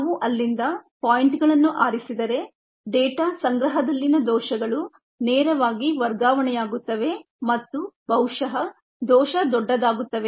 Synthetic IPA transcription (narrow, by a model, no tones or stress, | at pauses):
ʋuʔɐlːind̪ɐpaːjiɳʈɡɐɭɐnːuʔaːɾisid̪ɐɾe̞ | ɖɛːʈaːsɐŋɡɾɐɦɐd̪ɐlːinɐd̪ɔːʃɐɡɐɭu | nɛːɾɐʋaːɡiʋɐɾɡaːʋɐɳɛjaːɡut̪ːɐʋe̞ | mɐt̪ːubɐwʂɐɦɐ | d̪ɔːʃɐd̪ɔɖːɐd̪aːɡut̪ːɐʋe̞